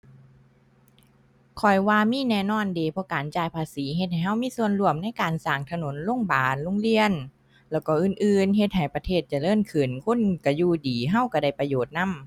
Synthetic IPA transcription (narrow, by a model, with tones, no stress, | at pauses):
kʰɔ˨˩jwaː˧miː˧˥˨nɛː˧˩nɔː˧˥˩ndeː˨˩pʰɔ˧˦kaː˨˩nt͡ɕaː˧˩jpʰaː˧siː˨˦ɦe˧t̪̚ha˨˩jɦa˧˩wmiː˧˥˨su˧ənlu˧˩əmna˧˥˨jkaː˨nsaː˨˩ŋt̪ʰa˧no˨˦nlo˧˥˨ŋbaː˨˩nlo˧˥˨ŋli˧˨ən | lɛː˧˩wkɔː˧˩ʔɯː˧˩nʔɯː˧nɦe˧t̪̚ha˨˩jpa˧t̪ʰeː˧˩t̪̚t͡ɕa˨˧˩lɤː˥˩mkʰɯː˨˩nkʰo˧˥˨nka˧˩juː˧˩diː˨˩ɦa˧˥˨wka˧˩da˧˩jpa˧joː˨˩t̪̚na˧˥˨m